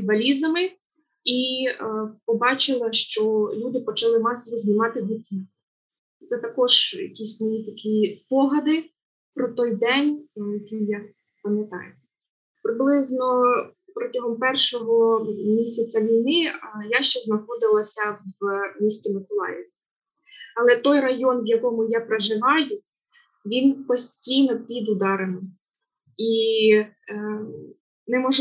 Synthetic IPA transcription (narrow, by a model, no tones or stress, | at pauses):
zbɐlʲizɐmɪ | i | pɔbɑt͡ʃɪlˠɐʃt͡ʃɔlʲud̪ɪpɔt͡ʃɐlˠɪmɑsɔʋɔzʲnʲɪmɑt̪ɪɦʊt̪ʲi | t̪sɛt̪ɐkɔʒjɐ̰kʲisʲmɔjit̪ɐkʲispɔɦɐd̪ɪ | pɾɔt̪ɔjd̪ɛnʲjɐkʲijja | pɐmʲjɐt̪ɑ̰jʊ | pɾɪblˠɪznɔ | pɾɔtʲɐɦɔmpɛrʃɔɦɔmʲisʲɐt͡sʲɐʋʲijnɪjaʃt͡ʃɛznɐxɔd̪ɪlˠɐsʲɐʋmʲisʲt͡sʲimɪkɔlˠɑ̰jɛʋʲ | ɐlˠɛt̪ɔjrɐjɔnʋjɐkɔmʊjapɾeʒɪʋɑjʊ | ʋʲinpɔsʲtʲijnɔpʲid̪ʊd̪ɑɾenɪm | i | nɛmɔʒ